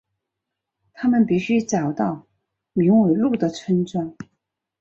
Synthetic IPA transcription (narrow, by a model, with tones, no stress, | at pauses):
t̪ʰa˥mə˨npi˨˩ɕy˥ʈ͡ʂɑ˨˩ʊt̪ɑ˥˩ʊ | mi˧˥ŋwe˨˩ɪlu˥˩d̪ə˩ʈ͡ʂʰə˥nʈ͡ʂwa˥ŋ